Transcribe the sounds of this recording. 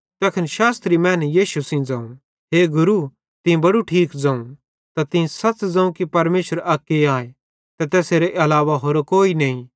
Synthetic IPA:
t̪ɛːkʰɐnʃaːst̪ɾimɛ̃ːnjiːʃusĩd͡zãːũ | ɦeːɡʊɾu | t̪ɪ̃bɐɽuʈʰiːkd͡zãːũ | t̪at̪ɪ̃sɐt͡sd͡zɐ̃ːũkipɐɾmeːʃəɾɐːkːeaːe | t̪ɛt̪ɛːseːɾeʔɐlaːʋaɦoːɾokoːinɐːĩ

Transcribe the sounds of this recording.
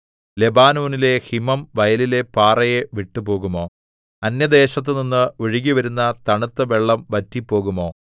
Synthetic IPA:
le̞baːnuːnile̞himɐmʋɐjɐlile̞paːrɐjeʋiʈːupo̞ːɣumo̞ː | ɐnjɐd̪e̞ːɕɐt̪̬ːɨninːɨoɻiɣiʋɐɾunːɐt̪ɐɳut̪ːɐʋe̞ɭːɐmʋɐtːipːo̞ːɣumo̞ː

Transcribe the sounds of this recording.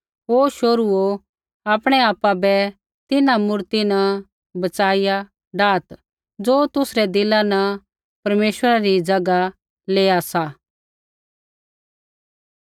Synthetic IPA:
ɦoːʃoɾuo | aːpɽ̃ɛaːpːabɛ | t̪ɪnãmʊɾt̪inɐ | bɐt͡ʃaːɪja | ɖaːt̪ | d͡zoːt̪ʊsɾɛd̪ɪlanɐ | pɐɾmeːʃwəɾaɾid͡ʒɐɡa | leːasa

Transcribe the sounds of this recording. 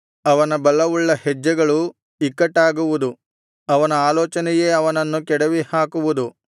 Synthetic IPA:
ɐʋɐnɐbɐlɐʋuɭːɐhɛd͡ʒːɐɡɐɭu | ikːɐʈːaːɡuʋud̪u | ɐʋɐnɐaːlɔːt͡ʃɐnɛje̞ːɐʋɐnɐnːukɛɽɐʋihaːkuʋud̪u

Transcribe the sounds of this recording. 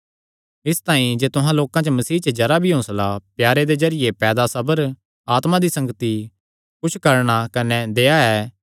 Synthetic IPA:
ɪst̪aːĩd͡ʒeːt̪ʊɦãloːkãt͡ʃəmɐsiːt͡ʃəd͡ʒɐɾabʱiɦõːslapjaːɾed̪ezɐɾɪjepɛːd̪asɐbəɾ | aːt̪mãd̪isɐ̃ŋɡət̪i | kʊt͡ʃʰkɐɾɽ̃akɐnɛd̪eːaɛː

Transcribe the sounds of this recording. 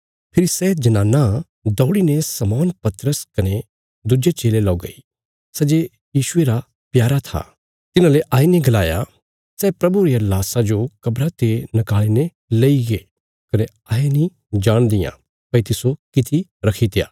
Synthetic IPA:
pʰɪɾisɛd͡ʒɐnãːnːa | d̪ɔːɽinesɐmɔːnpɐt̪ɾəskɐne | d̪ud͡ʒet͡ʃeːlelɔːɡɐ̰i | sɐd͡ʒe | jiːʃʊeɾa | pjaːɾat̪ʰa̰ː | t̪ɪnãleʔaːinẽɡɐlaːja̰ | sɛːpɾɐbuɾijalaːsad͡ʒokɐbɾat̪enɐkaːline | leiɡe | kɐne | aːenĩ | d͡ʒaːɽ̃d̪ɪjã̰ | pɐit̪ɪsokɪt̪ʰiɾɐkʰit̪ɪja̰ː

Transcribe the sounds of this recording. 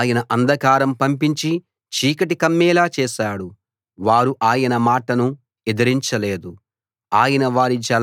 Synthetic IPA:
jɐnɐʔɐnd̪ɐkaːɾɐmpɐmpiɲt͡ʃi | t͡ʃiːkɐʈikɐmːɛːlaːt͡ʃɛːʃaːɽu | ʋaːɾuʔaːjɐnɐmaːʈɐnu | ɛd̪ɐɾiɲt͡ʃɐleːd̪u | aːjɐnɐʋaːɾit͡ʃɐl

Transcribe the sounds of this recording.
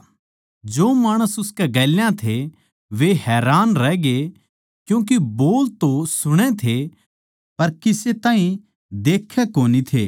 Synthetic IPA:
d͡ʒoːmaːɽ̃əsʊskɛɡɛːljãt̪ʰe | ʋeɦɛːɾaːnɾɛːɡe | kjũːk̬iboːlt̪osʊɽ̃et̪ʰe | pɐɾkɪset̪ãːɦĩ | d̪eːkʰːekoːnit̪ʰeː

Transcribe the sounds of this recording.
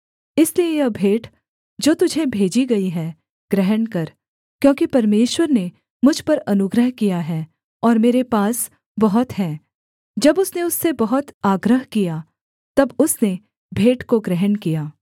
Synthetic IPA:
ɪsliejɐbʱeːʈ | d͡ʒoːt̪ʊd͡ʒʱebʱeːd͡ʒiɡɐiɦɛː | ɡ̥ɾɛɦənkɐɾ | kjõːkipɐɾmeːʃwəɾne | mʊd͡ʒʱpɐɾɐnʊɡɾəɦkijaɦɛː | ɔːɾmeːɾepaːs | bɐɦʊt̪ɦɛ̃ː | d͡ʒɐbʊsneʊsːebɐɦʊt̪aːɡɾəɦkija | t̪ɐbʊsne | bʱeːʈkoɡɾɛɦənkijaː

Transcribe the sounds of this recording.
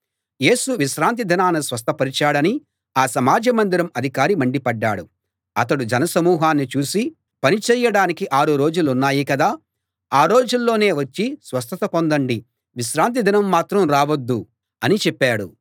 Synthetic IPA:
je̞ːsuʋiʃɾaːnt̪id̪ʱinaːnɐsʋɐs̬t̪ʰɐpɐɾit͡ʃaːɽɐni | aːsɐmaːd͡ʒɐmɐnd̪iɾɐmɐd̪ʱikaːɾimɐɳɖipɐɖːaːɽu | ɐt̪ɐɽud͡ʒɐnɐsɐmuːɦaːnːit͡ʃuːsi | pɐnit͡ʃɛːjɐɽaːnikiʔaːɾuɾo̞ːd͡ʒulunːaːjikɐd̪aː | aːɾo̞ːd͡ʒulːo̞ːne̞ːʋɐt͡ʃːisʋɐst̪ʰɐt̪ɐpond̪ɐɳɖi | ʋiʃɾaːnt̪̬id̪ʱinɐmːaːt̪ɾɐmɾaːʋɐd̪ːu | ɐnit͡ʃɛpːaːɽu

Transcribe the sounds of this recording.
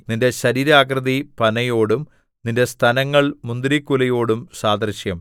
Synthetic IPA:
ninde̞ɕɐɾiːɾaːkrɐðipɐnɐjo̞ːɽum | ninde̞st̪ʰɐnɐŋːɐɭmund̪iɾikːulɐjo̞ːɽumsaːd̪rɨɕjɐm

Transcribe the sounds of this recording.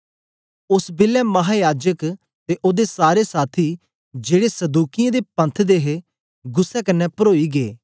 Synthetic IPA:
ʊsbɪlɛːmɐɦaːjaːd͡ʒək | t̪eʔoːd̪esaːɾesaːt̪ʰiː | d͡ʒeːɽesɐd̪uːkɪjãd̪epɐ̃nt̪ʰd̪eːɦe | ɡʊsːɛkənːɛpəɾoːiɡeː

